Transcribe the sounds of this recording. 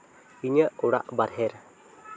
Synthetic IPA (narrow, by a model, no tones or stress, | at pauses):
iɲəʔuɽa̰ʔbaɾɦɛɾ